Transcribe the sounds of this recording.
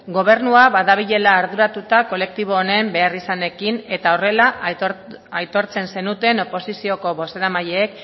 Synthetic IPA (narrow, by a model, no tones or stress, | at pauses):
ɡo̞β̞e̞ɾnuaβaðaβ̞iʎe̞laːɾðuɾat̪ut̪ako̞le̞k̚t̪iβ̞o̞ːne̞mbe̞arisane̞kine̞t̪ao̞re̞la | ajt̪o̞ɾt͡se̞nse̞nut̪e̞no̞po̞sisio̞ko̞βo̞se̞ɾamaʎeːk